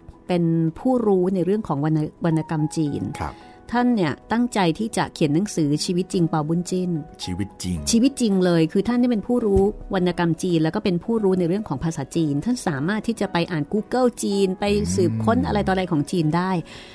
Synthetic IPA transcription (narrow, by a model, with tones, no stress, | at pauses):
pe˧npʰuː˥˩ɾuː˦˥na˧jɾɯ˥˩əŋkʰɔː˩˦ŋwa˧na˧wa˧nːa˧ka˧mt͡ɕiː˧n̰ʰ˧ | t̪ʰa˥˩nːi˥˩ɐt̪a˥˩ŋt͡ɕa˧jt̪ʰiː˥˩t͡ɕa̰˨˩kʰi˨˩˦nːa˩˦ŋsɯː˩˦t͡ɕʰiː˧wi˦˥t̪̚t͡ɕi˧ŋpaː˧bu˥˩nt͡ɕi˥˩nt͡ɕʰi˧wi˦˥t̪̚t͡ɕi˧ŋt͡ɕʰiː˧wi˦˥t̪̚t͡ɕi˧ŋlɤː˧jkʰɯː˧t̪ʰa˥˩nːa˥˩pe˧npʰuː˥˩ɾuː˦˥wa˧nːa˧ka˧mt͡ɕiː˧nlɛ˦˥kɔː˥˩pe˧npʰuː˥˩ɾuː˦˥na˧jɾɯ˥˩əŋkʰɔː˩˦ŋpʰaː˧saː˩˦t͡ɕiː˧nt̪ʰa˥˩nsaː˩˦maː˥˩t̪ʰːiː˥˩t͡ɕa˨˩pa˧jʔaː˨˩nkuː˧˥kɤ˥˩wt͡ɕiː˧npa˧jsɯː˨˩p̚kʰo˦˥nʔa̰˧ɾa˧jt̪ɔː˨˩ɾa˧jkʰɔː˩˦ŋt͡ɕiː˧ndaː˥˩j